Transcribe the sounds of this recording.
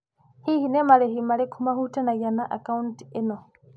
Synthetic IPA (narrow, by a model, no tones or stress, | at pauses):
hihinɛmaɺɛɦimaɺɛkʰumaɦutɛnajanaʔakauntɛnɔ